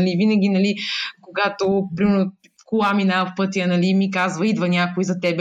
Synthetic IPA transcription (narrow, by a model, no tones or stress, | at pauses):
ɐlivinɐɡʲinɐlikoɡat̪opɾimɛɾno | kulˠaminafpɤt̪ʲijənɐlimikazvɐid̪vənʲakoizɐt̪ɛb